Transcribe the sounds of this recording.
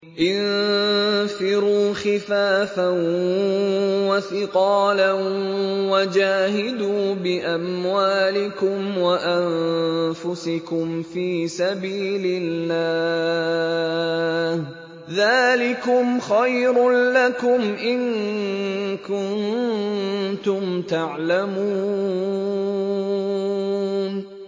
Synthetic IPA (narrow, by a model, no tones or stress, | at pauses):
ʔɪn | fɪɾuːxɪfaːfan | waθɪqɑːlanwad͡ʒaːɦɪd̪uːbɪʔamwaːlɪkʊmwaʔanfʊsɪkʊmfiːsabiːlɪlːaː | h | ðaːlɪkʊmxajɾʊlakʊmʔɪŋ | kʊnn | t̪ʊmt̪aʕlamuː | n